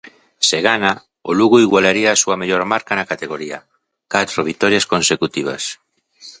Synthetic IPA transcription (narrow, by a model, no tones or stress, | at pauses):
seɣana | oluɣuiɣwalaɾiaːsuameʎoɾmaɾkanakat̪eɣoɾia | kat̪ɾoβ̞it̪ɔɾjaskonsekut̪iβ̞a̰s